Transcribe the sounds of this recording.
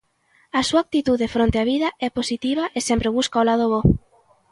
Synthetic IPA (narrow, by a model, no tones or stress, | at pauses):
ɐsuak̚t̪it̪uðefɾont̪eaβiðɐʔɛposit̪iβ̞aʔesɛmpɾeβ̞uskaolað̞oβo